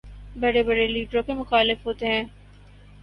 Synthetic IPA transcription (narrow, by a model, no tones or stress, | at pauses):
bɐɽebɐɽeliːʈɾõkemʊxaːlɪfɦoːt̪eɦɛ̃ː